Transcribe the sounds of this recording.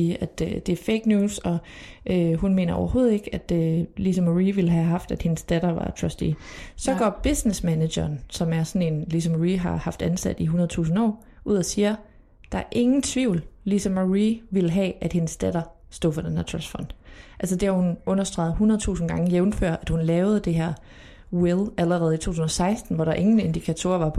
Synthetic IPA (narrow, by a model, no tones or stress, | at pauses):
iːæd̥ød̥e̝æɐfeɡ̥njuːsɒ̽ʔøɦunme̝̰ːnɐɒ̰ʊɐho̝ːð̩ˠe̝ɡ̥æd̥ølisɒmæʁiːʋeləɦæɦɑ̈fd̥æd̥he̝nsd̥æɾɐʋɑ̈t͡sʰʁɒsd̥ḭsɒ̽ɡ̥ɒ̰ːb̥esnesmæne̥jɐːnsɒ̽mæɐsɒ̽ne̝nlisɒmæʁiɦɑ̈hɑ̈fd̥ænsæd̥iɦunɐðˠt͡sʰṵːsn̩ɒ̰ː | ʔuð̞̰ˠɒsiːɐ | d̥ɑ̈æɐʔe̝ŋn̩t͡sʰʋiʊ̰llisɒ̽mæʁiʋiləɦɛæd̥he̝nəsd̥æɾ̥ɐ | sd̥ɔ̰̽ːfɒd̥enhæɐ̰t͡sʰʁɒ̰sd̥fɒ̽n̰d̥ʔælsəd̥e̝hæhunɔ̽nɐsd̥ʁɑ̰̈ɪð̞̩ˠɦunɐðˠt͡sʰṵːsn̩ɡ̥ɑ̈ŋəjeʊnføɐ̰ʔæd̥hunlɛːʊð̞̩ˠd̥e̝ɦæɐ̰ | welˠæləʁɛːð̩ˠit͡sʰo̰ːt͡sʰusn̩ɒ̽sɑ̈ɪsd̥n̩ʋɒɾɑ̈ʔe̝ŋn̩e̝nd̥ikʰæt͡sʰo̝̰ːɐʋɑ̈pʰ